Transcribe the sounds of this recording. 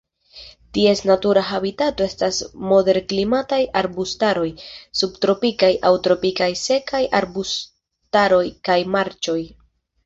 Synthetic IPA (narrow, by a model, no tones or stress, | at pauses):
tie̞snatuɾaɦabitato̞e̞stasmo̞de̞ɾklimatajʔaɾbustaɾo̞jsubtɾo̞pikajʔawtɾo̞pikajse̞kajʔaɾbus | taɾo̞jkajmaɾt͡ʃo̞j